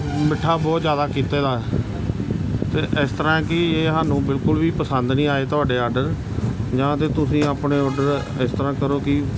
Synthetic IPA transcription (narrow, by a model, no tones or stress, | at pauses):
mɪʈʰːaːbɔːt̪zjaːd̪aːkiːt̪eːd̪aːɛ | t̪eːʔɪst̪əɾãːɛkɪeːɦaːnũːbɪlkʊlʋiːpəsənd̪nĩːaːeːt̪ʊaːɖeːɔːɾɖəɾ | d͡ʒãːt̪eːt̪ʊsĩːaːpɳeːɔːɾɖəɾ | ɪst̪əɾãːkəɾoːkɪ